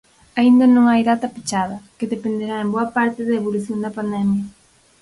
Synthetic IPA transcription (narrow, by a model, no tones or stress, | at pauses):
aind̪ɐnõŋajðat̪ɐpe̥t͡ʃaðɐkeðepend̪eɾaemboɐpaɾt̪ɪðaeβoluθjond̪ɐpand̪ɛmjɐ